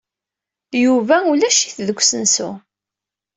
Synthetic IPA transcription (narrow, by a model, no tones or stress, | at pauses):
juvæulæʃiθðəɡʷːsənsṵ